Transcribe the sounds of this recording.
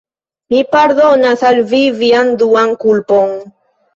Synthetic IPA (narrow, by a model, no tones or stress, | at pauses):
mipaɾðonaθalviviand̪uaŋkulpoŋ